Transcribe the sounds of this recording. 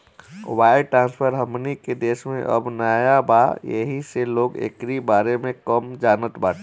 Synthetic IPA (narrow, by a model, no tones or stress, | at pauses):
waːjʈɾãːnspʰəɾɦəmniked̪eːʃmẽʔə̰bnaːjabajə̰ɦiseloːɡḛkɾibaːɾemẽkəmd͡ʒaːnət̪baːʈʰ